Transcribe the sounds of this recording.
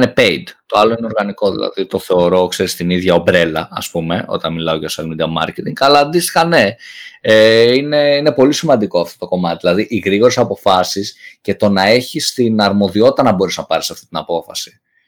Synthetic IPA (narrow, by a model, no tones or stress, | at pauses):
nepeid̪t̪o̞ɐlo̞ineo̞ɾɣɐniko̞ðḭlɐ̰ðit̪o̞θe̞oɾo̞kse̞ɾist̪iniðʝɐobɾe̞lɐɐ̰spume̞o̞̰t̪ɐnmilɐoʝɐslmid̪iɐmɐ̰ɾcet̪iŋɡɐlɐd̪isxɐne̞eine̞ine̞po̞lisimɐnd̪iko̞ɐft̪o̞t̪o̞ko̞mɐt̪iðilɐðiʔiɣɾiɣo̞ɾesɐpo̞fɐsisce̞t̪o̞nɐe̞çist̪inɐɾmo̞ðio̞t̪it̪ɐnɐbo̞ɾiznɐpɐɾisɐft̪i̥t̪inɐpo̞fɐsi̥